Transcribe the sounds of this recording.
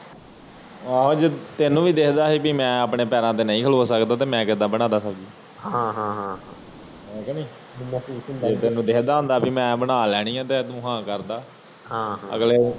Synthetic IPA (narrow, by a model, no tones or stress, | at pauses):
aːɦoːd͡ʒeːt̪eːnũːʋiːd̪ekʰd̪aːɦiːpiːmɛ̃ːəpɳeːpɛːɾãːt̪̬eːnəĩːkʰəloːsəkd̪aːt̪eːmɛ̃ːkɪd̪ãːbəɽ̃aːd̪aːsəbd͡ʒiː | ɦãːɦãːɦãːɦ | ɛ̃ːkɛnĩː | mːseːt̪eːnũːd̪ekʰd̪aːɦʊ̃nd̪aːbiːmɛ̃ːbənaːlɛːɽ̃iːãːt̪̬eːt̪ʊɦãːkəɾd̪aː | ɦãːə̰ɡleː